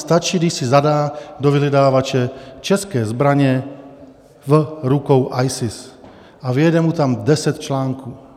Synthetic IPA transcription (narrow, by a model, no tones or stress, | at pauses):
st̪at͡ʃiːɡd̪iʃsizad̪aːd̪ɔʋiɦid̪aːʋat͡ʃɛt͡ʃɛskɛːzbɾaɲɛ | vɾukɔʊʔajsis | aʋɪɛd̪ɛmut̪amd̪ɛsɛt̪t͡ʃlaːŋkuː